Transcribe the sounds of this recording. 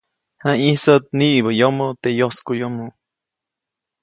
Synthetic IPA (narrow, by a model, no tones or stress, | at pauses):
hãisət̪̚niʔβəjomot̪ejoskujomo